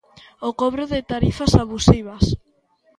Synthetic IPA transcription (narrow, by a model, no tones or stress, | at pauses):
okɔβɾʊðɪt̪aɾifasaβusiβ̞as